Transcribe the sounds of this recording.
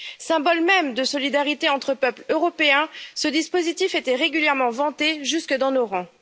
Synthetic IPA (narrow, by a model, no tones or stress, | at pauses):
sɛ̃bɔlmɛmd̪əsɔlid̪aʁit̪eɑ̃t̪χəpœpløʁɔpeɛ̃səd̪ispozit̪ifet̪ɛʁeɡʲyljɛʁmɑ̃vɑ̃t̪eʒyskəd̪ɑ̃noʁɑ̃